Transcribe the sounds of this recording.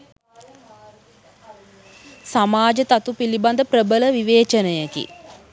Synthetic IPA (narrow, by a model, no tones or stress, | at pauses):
samaːd͡ʒət̪at̪upiliband̪əprəbələʋiʋeːt͡ʃənəjəkḭ